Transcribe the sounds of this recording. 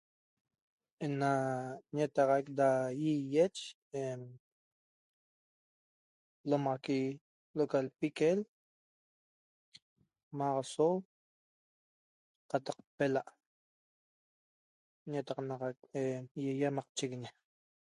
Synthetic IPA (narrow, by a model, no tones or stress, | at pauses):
enaɲet̪ɑʁɑjk̚d̪ajijet͡ʃ | e | lomʁaki | lokalpikel | maʁaso | qɑt̪ɑq̚pelaʔ | ɲet̪aqnaʁɑk̚ejejamaq̚t͡ʃikɲe